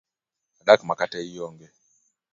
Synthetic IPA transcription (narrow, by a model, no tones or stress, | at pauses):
aɗakmakatɛijɔŋɡɛ